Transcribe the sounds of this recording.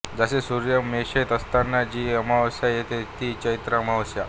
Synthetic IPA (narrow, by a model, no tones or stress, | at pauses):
d͡zasesuɾjəmeɕet̪əst̪anːad͡ʑiːəmaʋəsjajet̪et̪iːt͡ɕəit̪ɾəəmaʋəsja